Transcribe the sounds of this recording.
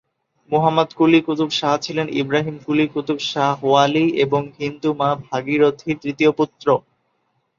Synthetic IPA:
muɦamːad̪kulikut̪ubʃaɦt͡ɕʰilenḭbɾaɦimkulikut̪ubʃaɦwalieboŋɦind̪umabʱaɡiɾot̪ʰiɾt̪ɾit̪ioput̪ːɾo

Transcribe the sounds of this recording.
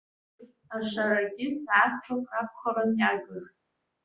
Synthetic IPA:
aʂaɾaɡʲɪsʕapʰʈ͡ʂʰokʼap̚ʰʷχaɾanjaɡʲɨχtʼ

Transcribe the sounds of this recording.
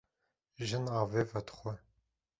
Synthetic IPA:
ʒɪnaːveːvɐt̪χʷɔ

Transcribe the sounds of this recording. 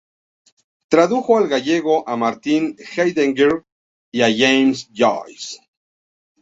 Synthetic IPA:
t̪ɾaðuxoalɣaʝeɣo̞ʔamaɾt̪inxajðeŋɡeɾ | iaʝejmsd͡ʒo̰js

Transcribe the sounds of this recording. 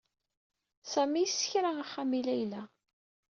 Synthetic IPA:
sæmijəsːə̥çɾaaχːamilæjlæ

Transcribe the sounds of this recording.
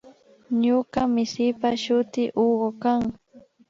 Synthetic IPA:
ɲokamɪsɪpaʃʊt̪ɪʔoɢokaŋ

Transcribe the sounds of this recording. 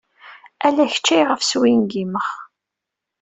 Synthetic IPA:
ælæçə̥t͡ʃːæjʁəfswinɡiməχ

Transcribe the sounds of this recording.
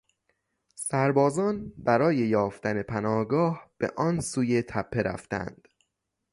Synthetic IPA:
sæɾbɒːzɒːnbæɾɒːje̞jɒːft̪æne̞pʰænɒːhɡɒːhb̥e̞̰ʔɒːnsuːje̞t̪ʰæpʰːe̞ɾæ̰ft̪æ̰nd̪̥

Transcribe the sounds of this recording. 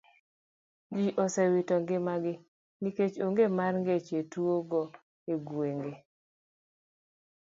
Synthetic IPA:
d͡ʒiʔɔsɛwitɔŋɡɪmaɡɪ | niket͡ʃoŋɡemarŋɡet͡ʃetuoɡɔ | eɡweŋɡe

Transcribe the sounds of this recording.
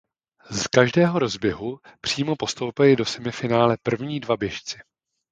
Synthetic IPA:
zkaʒdɛːɦo̞ɾo̞zbjɛɦupr̝̥iːmo̞po̞st̪owpɛlɪdo̞sɛmɪfɪnaːlɛpr̩vɲiːdvabjɛʃt͡sɪ̥

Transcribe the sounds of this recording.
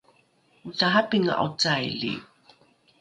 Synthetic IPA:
utaɦapiŋa̰ʔut͡sajɮḭ

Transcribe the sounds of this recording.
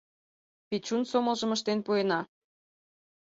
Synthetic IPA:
pit͡ɕunsomə̆lˠʒə̆məʃt̪enpuenɑ

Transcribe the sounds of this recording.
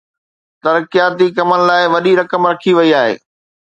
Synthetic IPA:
t̪ɐɾkijaːt̪ikɐmənɪ̆laːɪʋɐɗiɾɐkəmɾɐkʰiʋɐiaːɦḛː

